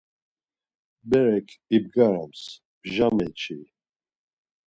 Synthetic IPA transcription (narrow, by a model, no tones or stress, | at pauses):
bɛɾɛkʰib̚ɡaɾams | bʒamɛt͡ʃʰi